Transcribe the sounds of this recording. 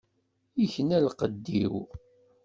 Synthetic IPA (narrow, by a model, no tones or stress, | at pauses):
içənælqəd̪ːḭw